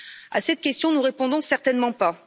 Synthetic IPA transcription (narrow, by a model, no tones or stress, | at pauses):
a̰sɛt̪̚kʲɛst̪jɔ̃nuʁepɔ̃d̪ɔ̃sɛʁt̪ɛnmɑ̃pa